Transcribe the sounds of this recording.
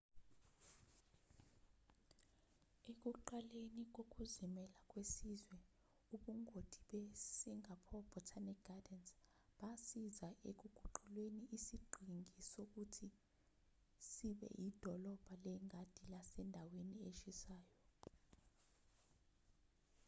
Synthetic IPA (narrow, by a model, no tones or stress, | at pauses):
ek̬uǃalenik̬ok̬ʼuzimɛlak̬ʼwesizwɛ | uɓuŋʱod̥ʱiɓɛsiŋapʰɔb̥ʱɔtʰanikɡ̥adɛns | ɓasizaʔek̬uɡ̥ʱuǃulweniʔːsiɡ͡ǃʱiŋʱisok̬utʰi | siɓɛ̰jid̥ʱɔlɔb̥ʱalɛŋʱad̥ʱilasɛndʱawenieʃisaːjɔ